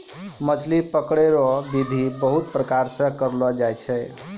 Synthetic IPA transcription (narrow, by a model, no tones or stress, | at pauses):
mət͡ʃʰlipəkɽeɾɔbid̪ʱibəɦut̪̚pɾəkaɾsə̃kəɾlɔd͡ʒajt͡ʃʰɛ